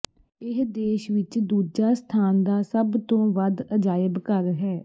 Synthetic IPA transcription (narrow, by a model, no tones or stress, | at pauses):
ɪɦd̪eːʃʋɪt͡ʃd̪uːd͡ʒaːst̪ʰaːnd̪aːsəbt̪õːʋəd̪əd͡ʒaːjəbkəɾɦɛː